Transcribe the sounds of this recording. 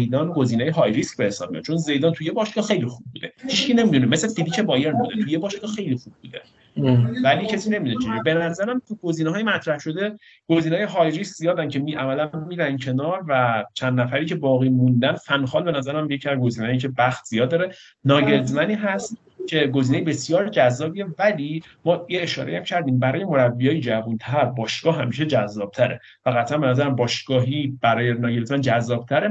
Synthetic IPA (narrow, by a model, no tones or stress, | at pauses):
jd̪ɒːnɡo̞ziːnejeɦɒːjɾiscbehesɒ̰b̚mḭj̰̪̚t͡ʃʰonze̞jd̪ɒːnt̪ʰujebɒʃɡɒxe̞jlixub̚ːṵːd̪e̞hiʃcʰiːne̞mid̪unemeslefid̪iːcʰe̞bɒːjeɾbuːd̪et̪ʰujebɒːʃɡɒxe̞jliːxub̚ːuːd̪e | væliːcʰesiːne̞mid̪unet͡ʃʰeibe̞næzæɾæmt̪ʰuɡo̞ziːnɛɦɒːjimæt̪ʰɾæhʃo̞d̪e̞ | ɡ̥oziːnɒːjeɦɒːjɾiskzijɒːd̪æncʰe̞miːʔæmælæːiːd̪æncʰe̞nɒːɾvæt͡ʃʰænd̪næfæɾiːcʰe̞bɒːɣiːmund̪ænfænxɒːlbe̞næzæɾæmjecʰiæzɡo̞ziːnɛjicʰe̞bæxt̪z̥ijɒːd̪ːɒːɾe | nɒːɟeɾzmæniːɦæst̪ | cʰe̞ɡo̞ziːnejebe̞sjɒːɾd͡ʒæzːɒːbiːe̞væliː | mɒːjieʃɒ̰ːɾejæmcʰæɾd̪iːmbæɾɒːjemo̞ɾæbːijɒːjed͡ʒævunt̪ʰæɾbɒːʃɡ̥ɒːɦæmiːʃ̬e̞d͡ʒæzːɒːb̥̚t̪ʰæɾe | fæɣæt̪ʰʔænmbe̞næzæɾæmbɒːʃɡ̥ɒːɦiːb̥æɾɒːjenɒːɡe̞ɾlzmænd͡ʒæzːɒːb̥̚t̪ʰæɾe